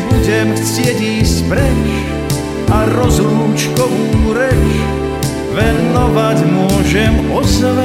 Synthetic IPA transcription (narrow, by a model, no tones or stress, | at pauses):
buɟɛmft͡sɪɛɟiːspɾɛt͡ʃ | aɾɔzɾuːmt͡ʃkɔʋuːɾɛt͡ʃ | ʋɛnnɔʋacmʊɔʒɛmɔzlɛ